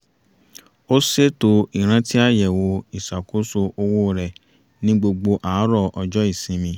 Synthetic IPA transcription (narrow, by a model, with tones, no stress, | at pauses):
o˦se˦to˧i˨ɾ̃ã˦ti˦a˦˨jɛ˨wo˧i˨sa˨ko˨˦so˧o˧wo˦ɾɛ˧˨ | nĩ˦ɡ͡bo˧ɡ͡bo˧ʔaː˨˦ɾɔ˦˧ɔ˧d͡ʒɔ˦i˦˨sĩ˨˧mĩ˧˦